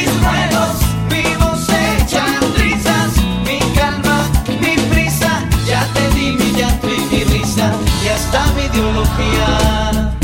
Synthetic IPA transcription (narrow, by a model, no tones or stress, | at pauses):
isrweðos | miβoset͡ʃand̪ɾisas | mikalma | mipɾisaʝat̪eðimiʎant̪ɾifirisajast̪amiðjoloxia